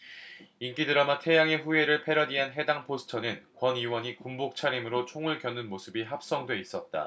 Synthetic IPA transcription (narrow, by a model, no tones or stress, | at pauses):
ink͈idɯɾʌmatʰe̞jaŋe̞ɸue̞ɾɯɭpʰe̞ɾʌdiɦanɦe̞daŋpʰosʰɯ̥tʰʌnɯnkwʌniwʌɲikumbok̚t͡ɕʰaɾimɯɾot͡ɕʰoŋɯɭkjʌnːɯnmosʰɯbiɦap̚s͈ʌŋdweis͈ʌt̚t͈a̰